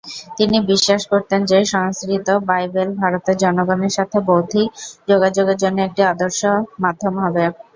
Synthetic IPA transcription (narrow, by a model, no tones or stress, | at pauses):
t̪inibiʃːaʃkoɾt̪end͡ʑeʃɔŋskɾit̪obajbelbʱaɾot̪eɾd͡ʑɔnoɡɔneɾʃat̪ʰebowd̪ʱid͡ʑoɡad͡ʑoɡeɾd͡ʑonːoek̚ʈiad̪oɾʃomad̪ʱːomɦɔbe